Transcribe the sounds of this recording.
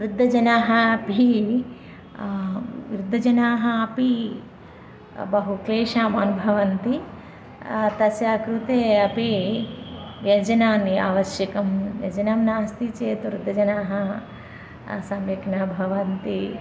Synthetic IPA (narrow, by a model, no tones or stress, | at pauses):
ʋɾud̪ʱːɐd͡ʒɐnaːɦɐɐpi | ʋɾud̪ʱːɐd͡ʒɐnaːɦɐɐpi | bɐɦukleːʃaːmaːnubʱɐʋɐnt̪i | t̪ɐsjaːkɾut̪eːɐpi | ʋjɐd͡ʒɐnaːnia̰ːʋɐʃjɐkɐmjɐ̰d͡ʒɐnaːmnaːst̪it͡ʃeːt̪uɾud̪ʱːɐd͡ʒɐnaːɦɐ | sɐmjɐknaːbʱɐʋɐnt̪i